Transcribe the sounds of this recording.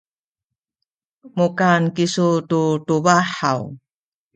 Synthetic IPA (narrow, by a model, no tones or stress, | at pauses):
mukankisututubaħa̰w